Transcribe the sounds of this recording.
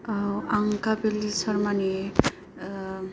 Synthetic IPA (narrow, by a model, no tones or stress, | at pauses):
aŋkabelisʌɾmane